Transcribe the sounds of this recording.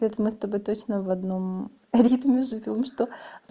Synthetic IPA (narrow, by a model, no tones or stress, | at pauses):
et̪mɨst̪ɐbojt̪o̞t͡ɕnəvɐd̪no̞m | ɾʲit̪mʲɪʐɨvʲo̞mʂt̪o̞